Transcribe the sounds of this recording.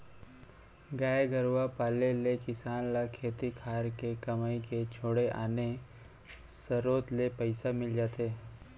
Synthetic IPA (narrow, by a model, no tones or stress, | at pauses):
ɡaːɡəɾwapaːlelekɪsaːnlakʰeːt̪ikʰaːɾkekɐmaːiket͡ʃʰoːɽeʔa̰ːne | səɾoːt̪lepəɪsamɪld͡ʒaːt̪eː